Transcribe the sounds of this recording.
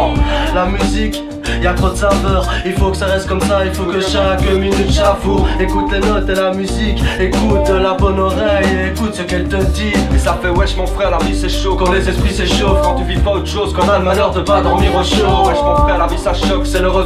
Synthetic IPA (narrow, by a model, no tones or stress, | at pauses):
lamyzik | iljat̪χod̪əsavœːʁilfokə̥saʁɛst̪̚kɔmsailfokəʃakəminyt̪ʃafoekut̪lenɔt̪elamyzikekut̪labɔnɔʁɛjeːkut̪səkɛlt̪əd̪iesafɛwɛʃmɔ̃fχɛʁlamisɛʃokɑ̃lezɛspχisɛʃofkɑ̃t̪yvipaot̪χə̥ʃozkɑ̃samalœʁd̪əpad̪ɔʁmiʁõʃowɛʃmɔ̃fχɛʁlamisaʃɔksɛləʁə